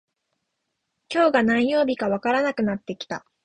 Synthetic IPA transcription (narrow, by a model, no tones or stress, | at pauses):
kʲo̞ːɡanãĩjo̞ːbʲikaβakaɾanakɯ̟nat̪ːe̞kʲi̥t̪a̰